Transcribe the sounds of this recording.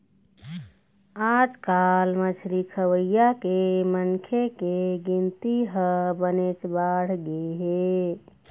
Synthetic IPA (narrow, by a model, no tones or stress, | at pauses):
ad͡ʒkalmət͡ʃʰɾikʰəwəjakemənkʰekeɡint̪iɦəbənet͡ʃbaɽ̤ɡeɦe